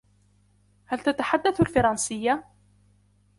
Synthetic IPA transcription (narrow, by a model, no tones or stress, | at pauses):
halt̪at̪aħad̪ːaθalfɑɾˤɑnsɪjːa